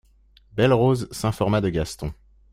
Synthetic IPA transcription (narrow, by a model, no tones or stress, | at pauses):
bɛlʁozsɛ̃fɔʁmad̪əɡʲast̪ɔ̃